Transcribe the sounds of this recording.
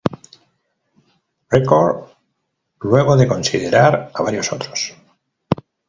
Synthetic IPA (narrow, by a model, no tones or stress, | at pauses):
rekoɾ | lwe̞ɣ̞o̞ðe̞ko̞nsiðeɾaɾaβaɾjo̞so̞t̪ɾos